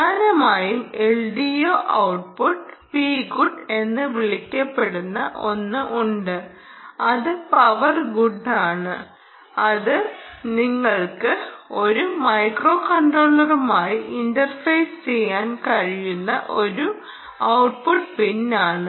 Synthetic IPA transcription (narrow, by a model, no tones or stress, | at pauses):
aːɾɐmaːjumeɭɖijoːʔɐwʈ̚puʈːpiːɡuɖe̞nːɨʋiɭikʲːɐpːe̞ɽunːɐ̰ʔo̞nːɨʔuɳɖɨ | ɐðɨpɐʋɐrɡuɖːaːɳɨ | ɐðɨniŋːɐɭkɨo̞ɾumɐjkro̞ːkɐɳɖroːɭːɐrumaːjiiɳdɐrfɐjst͡ɕejːaːnkɐɻijunːɐ̰ʔo̞ɾu | ɐwʈ̚puʈpinːaːɳɨ